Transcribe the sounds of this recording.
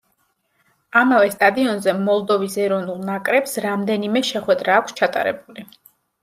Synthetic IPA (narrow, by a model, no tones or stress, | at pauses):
amavɛst̪ʼad̪iɔnzɛmɔlˠd̪ɔvisɛɾɔnulˠnakʼɾɛpsɾamd̪ɛnimɛʃɛχwɛd̪ɾaːkʷʰst͡ʃʰat̪ʼa̰ɾɛ̰buli